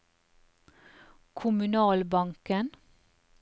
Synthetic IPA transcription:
kʰʊmʉnɑːlbɑŋkən

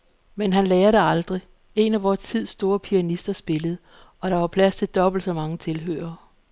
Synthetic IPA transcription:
menɦænlɛːɐɾ̥e̝ɑ̈ld̥ʁi | e̝næʋɒːt͡sʰið̞̰ˠsːd̥o̝ːɐpʰiænisd̥ɐsb̥e̝ləð̞̩ˠ | ɒ̽ɾ̥ɑ̈ʋɑ̈pʰlæst͡sʰe̝ld̥ɒ̽b̥l̩d̥sɒ̽mɑ̈ŋət͡sʰe̝lɦø̰ːɐː

